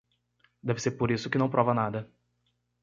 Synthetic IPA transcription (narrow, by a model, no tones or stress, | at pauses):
d̪ɛvɪseɾpoɾisʊ̥kɪnɐ̃w̃pɾɔvɐnad̪ɐ